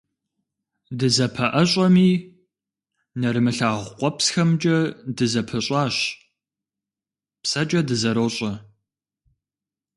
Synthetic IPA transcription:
dɨzɐpʰɐʔɐɕʼɐmiː | nɐɾɨmɨɬaːʁʷqʷɔpsxɐmt͡ʃʼɐdɨzɐpʰɐɕʼaːɕ | psɐt͡ʃʼɐdɨzɐɾoːɕʼɐ

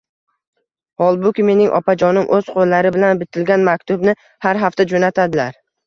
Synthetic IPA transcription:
hɒlˠbʊkʲɪme̞nɪŋʔɒ̰pad͡ʒɒnɪmʔɵz̥qʰolːaɾɪbɪlanbɪt̪ʰɪlɡʲanmakʲt̪ʊbnɪ | haɾɦaft̪ad͡ʒonat̪ʰad̪ɪlaɾ

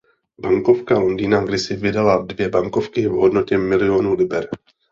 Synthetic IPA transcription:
baŋko̞fkalo̞ndiːnaɡdɪsɪvɪdaladvjɛbaŋko̞fkɪvɦodno̞cɛmɪlɪo̞nuːlɪbɛɾ

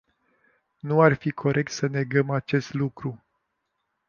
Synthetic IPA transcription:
nuarfikʰo̞ɾʔe̞k̚t̪səne̞ɡəmat͡ʃe̞st̪lukɾu

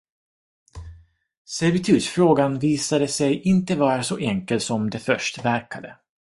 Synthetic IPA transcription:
sɛɾvɪt̪ʰʉ̟ːt̪fɾoːɡanviːsad̪əsɛjʔɪnt̪əvɑːɾasɔʔɛŋkəlt̪sɔmd̪ɛfœʂʈvæɾkad̪ə̰

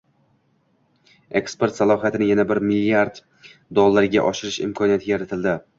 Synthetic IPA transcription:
e̞kspe̞ɾt̪salˠɒɦijat̪ʰɪnɪjanabɪɾmɪlːijaɾd̪ | d̪olˠːaɾɡʲa̰ʔɒʃɪɾɪʃɪ̰mkʰɒnijat̪ʰɪjaɾat̪ʰɪld̪ɪ

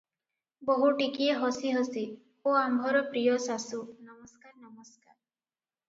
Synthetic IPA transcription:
bɔɦuʈikieɦɔsiɦɔsi | oambʱɔɾɔpɾijɔsasunɔmɔskaɾnɔmɔskaɾ

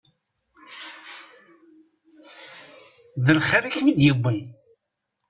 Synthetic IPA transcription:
ðəlχəɾiçmid̪jəbːən

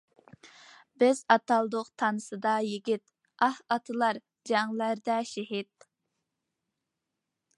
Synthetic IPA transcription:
bɪzɑt̪ɑlˠd̪oqt̪ʰɑnɨsɨd̪ɑjɪɡʲit̪ | ɑhɑt̪ʰɨlˠɑɾ | d͡ʒɑŋlæɾd̪ɛʃɪɦit̪̚

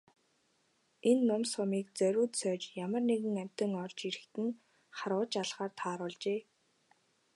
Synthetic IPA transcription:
enːʊmsɔmiːk̚t͡sœɾʲʊːt̪sœːt͡ɕjamə̆rneɣɘ̆ŋæm̥ʲt̪ə̆ŋɔrt͡ɕiɾɘ̆xt̪ɘ̆ŋ | χaɾʊːt͡ɕaɮχaːrt̪ʰaːɾʊːɮt͡ɕeː

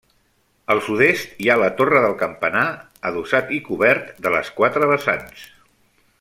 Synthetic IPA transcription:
əlˠsuðest̪ialət̪orəðəlˠkəmpəna | əðusat̪ikuβɛɾt̪d̪ələ̰skwat̪ɾəβəsa̰ns

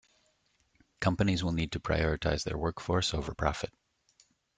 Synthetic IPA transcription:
kʰʌ̃mpɨnizwɪlˠnid̚tʰɨpʰɹ̥a̰ɪɔɹɨtʰaɪzðə̰˞wɜ˞kfɔɹsoʊvə˞pʰɹ̥ɑfɨt̚

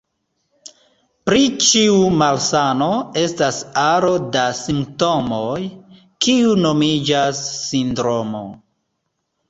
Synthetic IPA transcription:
pɾit͡ʃiumalsano̞e̞stasaɾo̞dasimp̚to̞moj | kiuno̞mid͡ʒasːindɾo̞mo̞̰

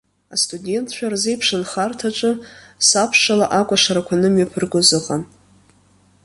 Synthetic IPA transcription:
astʰʼudʲe̞ntʰʃʷᶣarzejpʰʂɨnχartʰaʈ͡ʂʼɨsapʰʂalaʔakʷʼaʂaɾakʷʰanɨmɥapʰɨrɡʷʊzɨqʼan

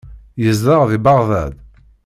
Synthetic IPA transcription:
jəzðəʁðibɑʁðæd̪

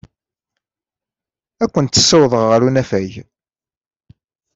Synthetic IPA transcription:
ækʷːənt̪ːə̥sːæwðˤəʁːəɾunæfæʝ

